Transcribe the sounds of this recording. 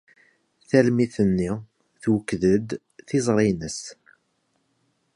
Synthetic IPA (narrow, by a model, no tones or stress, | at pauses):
θælmiθənːi | θwəkːðəd̪ | θizˤɾˤinəs